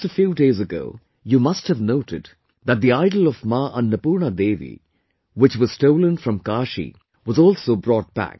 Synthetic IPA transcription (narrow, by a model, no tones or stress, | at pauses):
əfjuːdeɪzəɡo̰ʊ | jumʌsthɨvnoʊʈɨd | ðæt̚d̪iaɪdl̩ɔvmaːʔə̃nːəpuːɾnad̪eːʋḭ | wɪt͡ʃwʌz̥stoʊlə̃nfɾʌ̃mkaːʃḭ | wʌzɔːlsoʊbɾɔʈ̚b̥æ̰k̚